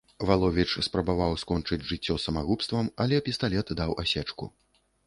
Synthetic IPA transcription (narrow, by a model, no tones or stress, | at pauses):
valˠɔvʲit͡ʂspɾɐbavawskɔnt͡ʂɨd͡zʲʐɨt͡sʲːɔsɐmaɣupst̪vɐmɐlʲɛpʲist̪alʲɛt̪d̪awasʲɛt͡ʂkṵ